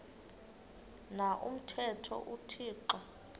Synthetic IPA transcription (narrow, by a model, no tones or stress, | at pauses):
naʔṵm̩tʰɛtʰɔ̰ʔutʰiːǃa